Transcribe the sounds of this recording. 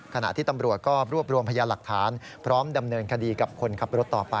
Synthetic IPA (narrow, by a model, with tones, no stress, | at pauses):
kʰa˧na̰˨˩ʔt̪ʰiː˥˩t̪a˧mɾu˨˩t̪̚kɔː˥˩ɾuː˥˩əp̚ɾu˧mpʰa˧jaː˧la˨˩k̚t̪ʰaː˩˦n | pʰɾɔː˦˥mda˧mnɤː˧nkʰa˧diː˧ka˨˩p̚kʰo˧nkʰa˦˥p̚ɾo˦˥t̪ːɔː˨˩pa˧